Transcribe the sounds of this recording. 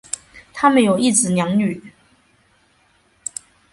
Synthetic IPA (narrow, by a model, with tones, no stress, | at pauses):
t̪ʰa˥mə˨njo˨˩ʊi˥˩t͡sɹ̩˨˩njɑ˧˥ŋny˨˩˦